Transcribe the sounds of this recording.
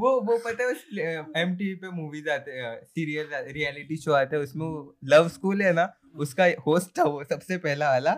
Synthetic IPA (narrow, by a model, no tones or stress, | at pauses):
ʋoʋopɐt̪aɛʊsɛmʈipemuːʋizaːt̪eɛsiːɾijəld͡ʒaːt̪ɾiɛːlɪʈiʃoːaːt̪eɦɛ̃ʊsmẽolɐʋskuːlɦɛna | ʊskahoːsʈaʋosɐbsepɛɦlaaːlaː